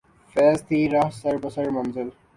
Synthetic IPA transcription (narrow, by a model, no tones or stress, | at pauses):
fɛːzt̪iːɾɐɦsɐɾbəsəɾmɐnzɪl